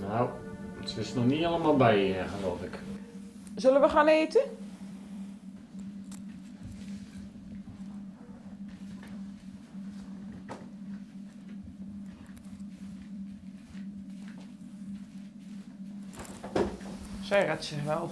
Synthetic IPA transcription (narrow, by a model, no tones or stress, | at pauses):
nawətʋɪsnɔχniɑlˠəmalˠbɛjɪχəloːfɪk | zølənʋəχaːneːtə | sɛjrɛtsɪχʋɛlˠ